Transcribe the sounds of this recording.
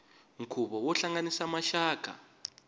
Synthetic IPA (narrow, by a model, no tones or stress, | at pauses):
ŋ̩kʰuɓɔwɔɬaŋanisamaʃaːkʰa̰